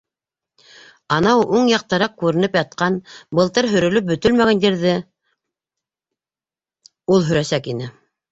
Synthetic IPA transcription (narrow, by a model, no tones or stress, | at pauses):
ɑnɑwʔuŋjɑq̚t̪ɤɾɑq̚kʉɾɘ̆nɘpjɑt̪̚qɑnbɤ̆lˠt̪ɤɾɦɵ̆ɾɵ̆lɵp̚bɵ̆t̪ɵlmæɡænd̪iɾðɘ | ulˠɦɵ̆ɾæsækinɘ